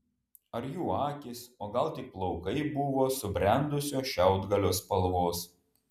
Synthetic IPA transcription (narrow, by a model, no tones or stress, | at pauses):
ɐɾjuːɑːkʲɪsoːɡɐlˠt̪ʲɪplˠɔʊkɐɪbʊʋoːsʊbʲɾʲɛnd̪ʊsʲoːʃʲɛʊd̪ɡɐlʲoːspɐlˠʋoːs